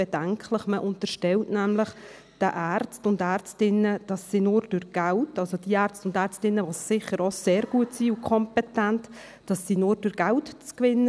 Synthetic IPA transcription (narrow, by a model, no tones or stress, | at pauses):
b̥ɛdæŋkʰləχməʔʊntəʃtɛltnæmləχ | d̥əʔært͡stʊndæɾt͡stɪnːəd̥ɑsːinʊɾd̥ʉɾɡ̥æltɑlsod̥iəæɾt͡stʊndæːɾt͡stɪnːəʋossɪχəɾɔseːɾɡ̥uətsiukʰɔmpɛtænt | d̥ɑsːinʊɾdʉɾɡ̥æltt͡skʋɪnːə